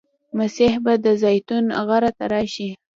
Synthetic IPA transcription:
masihbad̪əzɑjt̪unɣaɾat̪aɾɑʃi

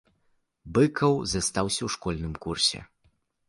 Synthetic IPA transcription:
bɨkɐwzɐst̪awsʲɐwʂkɔlʲnɨmkursʲɛ̰

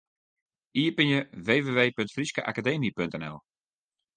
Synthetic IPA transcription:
ʔiːpɪnjəʋeːʋeːʋeːpøntfriskəʔa̰kadeːmipøntɛnɛ̰lˠ

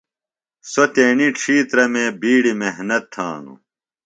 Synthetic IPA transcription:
sot̪eːniʈ͡ʂʰiːt̪ɾɐmẽːbiːɽimeɦnɐt̪ʰːã̰ːnṵ

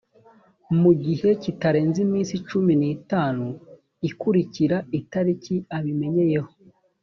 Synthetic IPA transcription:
muɟihe̞citaɾe̞ːnzimiːnsit͡ʃuminiːtaːnu | ikuɾiciɾaitaɾiciaβime̞ɲe̞je̞ho̞̥

